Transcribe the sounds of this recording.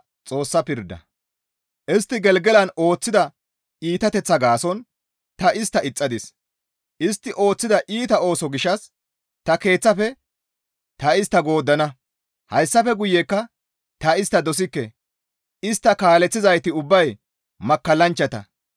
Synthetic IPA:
t͡sʼo̞ːsːɐpɪɾd̪ːɐ̰ | ʔɪst̪ːɪɡɛlɡɛlɐno̞ːt͡sːɪd̪ɐ | iːt̪ɐt̪ɛt͡sːɐɡaːsɔn | t̪ɐʔɪst̪ːɐɪt͡sʼːɐd̪ɪs | ʔɪst̪ːɪʔo̞ːt͡sːɪd̪ɐʔiːt̪ɐo̞ːsɔɡɪʃɐs | t̪ɐke̞ːt͡sːɐfɛ | t̪ɐɪst̪ːɐɡo̞ːd̪ːɐnɐ | hɐjsːɐfɛɡʊjːekːɐ | t̪ɐɪst̪ːɐd̪ɔs̬ɪkːɛ | ʔɪst̪ːɐkaːlɛt͡sːɪzɐjt̪ɪʊbːɐj | mɐkːɐlːɐnt͡ʃːɐt̪ɐ̰

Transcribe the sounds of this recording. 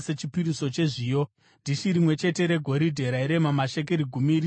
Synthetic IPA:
set͡ʃipiɾiso̞t͡ʃe̞ʐiːjo̞ | ndiʃiɾimwe̞t͡ʃe̞te̞ɾe̞ɡʱo̞ɾidʱe̞ɾaiɾe̞mamaʃe̞k̬eɾiɡʱumiɾ

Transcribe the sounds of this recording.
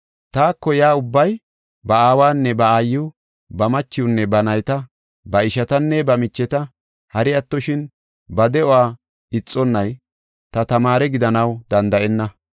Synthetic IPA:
t̪aːkːɔjaːʊbːɐj | bɐaːwaːnːɛbɐaːjːʊ | bɐmɐt͡ʃːɪʊnːɛbɐnɐjt̪ɐ | bɐɪʃɐt̪ɐnːɛbɐmɪt͡ʃːɛt̪ɐ | hɐɾɪɐt̪ːɔʃɪn | bɐd̪ɛɔaː | ɪt͡sʼːɔnːɐj | t̪ɐt̪ɐmaːɾɛɡɪd̪ɐnɐwd̪ɐnd̪ɐʔɛnːɐ

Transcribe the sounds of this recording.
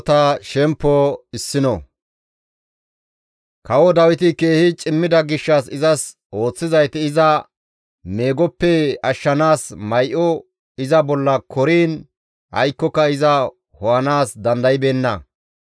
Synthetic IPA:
t̪ɐʃɛmpːɔɪsːɪnɔ | kɐwɔd̪ɐwɪt̪ɪke̞ːhɪt͡ʃʼɪmːɪd̪ɐɡɪʃːɐsɪzɐs | o̞ːt͡sːɪzɐjt̪ɪɪzɐ | me̞ːɡɔpːɛɐʃːɐnaːsmɐjʔɔ | ɪzɐbɔlːɐkʰɔɾiːn | hɐ̰jkːɔkːɐɪzɐ | hɔwɐnaːsd̪ɐnd̪ɐjɪbeːnːɐ

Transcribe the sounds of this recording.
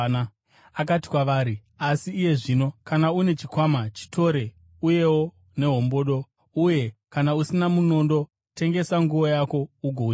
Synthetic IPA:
akati̥kwaʋaːɾi | asiːje̞ʐino̞kanaune̞t͡ʃikwamat͡ʃi̥tʰo̞ɾe̞ | uje̞wo̞ | ne̞ɦo̞mbo̞ɗo̞ | uje̞kanausinamuno̞ndo̞ | te̞ŋɡe̞saŋɡuʋojako̞uɡʱou

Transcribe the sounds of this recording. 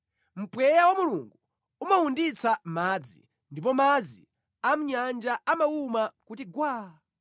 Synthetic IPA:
m̩pwɛjawamuluŋɡu | umawundit͡samad͡zḭ | ndip̬ɔmad͡zi | am̩ɲand͡ʒaamawumakutiɡwaː

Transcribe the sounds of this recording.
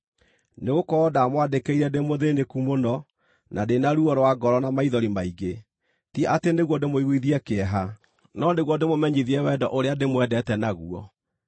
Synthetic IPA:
neɣokɔdamwadekeiɾɛdemoðenekumonɔ | nʔadenaɾuɔɾwaɡɔɾɔnamaiðɔɾimaiɡe | tiɛʔateneɣwɔdemoiɣwiðiɛkeɛɦa | nɔneɣwɔdemomɛɲiðiɛwɛdɔʔoɾeademwɛdɛtɛnaɣuɔ̰

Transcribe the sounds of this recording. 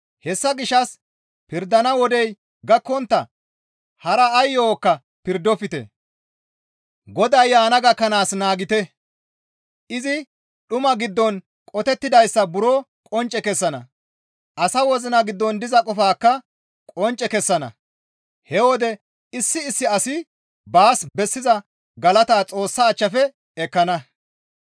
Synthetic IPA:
hɛsːɐɡɪʃːɐs | pɪɾd̪ːɐnɐwɔd̪ɛj | ɡɐkːɔnt̪ːɐ | hɐɾɐːjːoːkːɐ | pɪɾd̪ːɔfɪt̪ɛ̰ | ɡɔd̪ɐjːaːnɐɡɐkːɐnaːsnaːɡɪt̪ɛ | ʔɪzɪ | ɗʊmɐɡɪd̪ːɔn | kʼɔt̪ɛt̪ːɪd̪ɐjsːɐbʊɾoː | kʼɔnt͡ʃʼːɛkɛsːɐnɐ̰ | ʔɐsɐwɔzɪnɐɡɪd̪ːɔnd̪ɪzɐkʼɔfaːkːɐ | kʼɔnt͡ʃʼɛkɛsːɐnɐ̰ | hɛwɔd̪ɛ | ɪsːɪːsːɪɐsɪ | baːsbɛsːɪzɐ | ɡɐlɐt̪aːt͡sʼo̞ːsːɐːt͡ʃːɐfɛ | ɛkːɐnɐ

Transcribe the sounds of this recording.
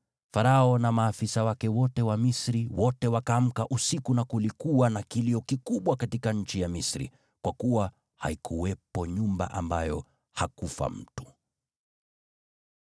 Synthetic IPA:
faɾaɔnamaːfisawakɛwɔtɛwamisɾiwɔtɛwakaːm̩kaʔusikunakulikuwanakiliɔkikuɓwakatikaɲ̩t͡ʃijamisɾḭ | kwakuwa | ha̰ikʰuwɛpɔɲumba̰ʔa̰mbajɔ | hakufa̰m̩tu̥

